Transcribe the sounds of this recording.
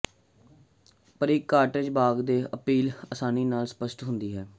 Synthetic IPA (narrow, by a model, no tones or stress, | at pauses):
pəɾiːkːaːʈɪd͡ʒbaːɡd̪eːəpiːləsaːniːnaːlspəsʈɦʊnd̪iːɦɛː